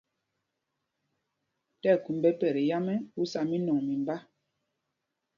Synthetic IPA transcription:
tɛ˦˨ku˨mbɛ˦pɛ˨ɾe˨ja˦mɛ˦u˦sa˨mi˦nɔ˨ŋmi˨mba˦

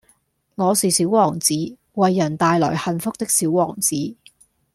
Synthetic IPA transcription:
ŋɔː˨˧siː˨siː˨˥wwɔː˨˩ŋt͡siː˨˥ | wɐ˨jːɐ˨˩nt̪aː˨˧jlɔː˨˩jhɐ˨nfʊ˥k̚t̪ɪ˥k̚siː˨˥wwɔː˨˩ŋt͡siː˨˥˦

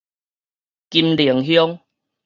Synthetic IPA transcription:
ki˧mli˨˩ə˦ŋɦjɔ˦ŋ

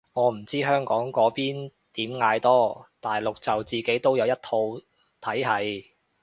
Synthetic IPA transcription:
ŋɔː˨˧m̩˨˩t͡siː˥ɦœː˥ŋkɔː˨˥ŋkɔː˨˥piː˥n | t̪iː˨˥mŋaː˧jt̪ɔː˥t̪aː˨jlʊ˨k̚t͡sɐ˨wt͡siː˨˩ke˨˥jt̪o˥wjɐ˨˧wjɐ˥t̪ʰo˧w | t̪ʰɐ˨˥jɦɐ˨˥j

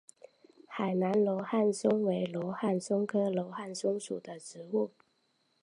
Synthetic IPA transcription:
xa˨˩ɪna˧˦nlɔ˧˥xa˥˩nsʊ˥ŋwe˧˥ɪlwɔ˧˥ʊxa˥˩nsʊ˥ŋkʰɤ˥lo˧˥ʊxa˥˩nsʊ˥ŋʂu˨˩d̪ə˦ʈ͡ʂɻ̩˧˥˦u˥˩

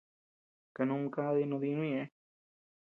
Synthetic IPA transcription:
ka˧nũ˧˦˧ka˦˧ði˧nũ˧ði˧nũ˦ĩ˦˧ẽ˧˦

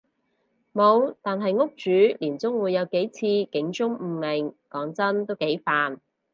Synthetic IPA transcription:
mo˨˧wt̪aː˨nɦɐ˨jŋʊ˥k̚t͡ʃyː˨˥liː˨˩nt͡sʊ˥ŋwuː˨˧jːɐ˨˧wke˨˥jt͡sʰiː˧kɪ˨˥ŋt͡ʃʊ˥ŋm̩ː˧mɪ˨˩ŋkɔː˨˥ŋt͡sɐ˥nt̪o˥wke˨˥jfaː˨n

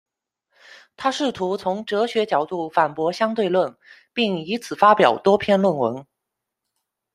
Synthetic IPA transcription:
t̪ʰa˥ʂɻ̩˥˩t̪ʰu˧˥t͡sʰʊ˧˥ŋʈ͡ʂɤ˧˥ɕɥɛ˧˥t͡ɕjɑ˨˩ʊt̪u˥˩fa˨˩npwɔ˧˥ɕjɑ˥ŋt̪̬we˥˧ɪlwə˥˩n | pi˥˩ŋi˧˥t͡sʰɹ̩˨˩fa˥pjɑ˨˩ʊt̪wɔ˥pʰjɛ˥˧nlwə˥˩nwə˧˥ŋ

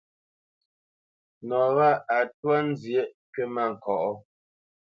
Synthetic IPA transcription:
nɔ˨ɣa˦˨a˨t̚wa˦n̩˦zje˦ʔ | ke˦ma˦˨ŋ̩˨kɔ˨ʔɔ˦

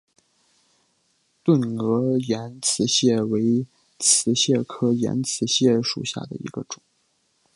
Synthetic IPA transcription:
t̪wə˥˩nɤ˧˥jɛ˧˥nt͡sʰɹ̩˧˥ɕjɛ˥˩we˧˥ɪ | t͡sʰɹ̩˧˥ɕjɛ˥˩kʰɤ˥jɛ̰˧˥nt͡sʰɹ̩˧˥ɕjɛ˥˩ʂṵ˨˩ɕja̰˥˩d̪ə̰˩ḭ˧˥ɡ̥ə˧ʈ͡ʂʊ˨˩˦ŋ

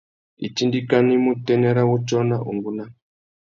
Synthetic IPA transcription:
ḭ˨t͡ʃi˦ndi˦ka˦ni˦mu˦tɛ˦nɛ˦ɾa˦wu˦t͡ʃɔ˦na˦ʔu˨ŋɡu˦na˦

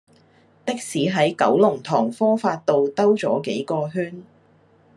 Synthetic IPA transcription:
t̪ɪ˥k̚siː˨˥ɦɐ˨˥jkɐ̰˨˥wlʊ˨˩ŋt̪ʰɔː˨˩ŋfɔː˥faː˧t̚t̪o˨wt̪ɐ˥wt͡sɔ̰ː˨˥ke˨˥jkɔː˧ɦyː˥n

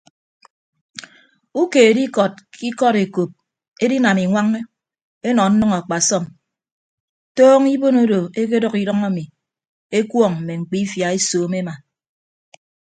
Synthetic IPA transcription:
u˦ke˨e˨di˦kɔ˨t̚kʰi˦kɔ˦ɾe˨ko˨p̚ | e˦di˦na˨mi˨ŋʷa˦ŋe˦ | e˦nɔ˨n̩˦nʌ˦ŋa˨k͡pa˨sɔ˦m | toː˦ŋi˦bo˦no˦do˨e˦k̬e˦dɔ˦ki˦dɔ˦ŋa˦mi˨ | e˦kwɔ˦˨ŋm̩˨me˨ŋ͡m̩˨k͡pi˦fja˨e˦soː˨˦me˦ma˨

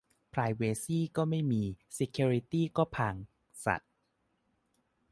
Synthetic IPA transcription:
pʰɾaː˧˩jweː˧siː˥˩kɔː˥˩ma˥˩jmiː˧se˧kʰuː˧ɾi˧˥t̪iː˥˩kɔː˥˩pʰaː˧ŋ | sa̰˨˩t̪̚

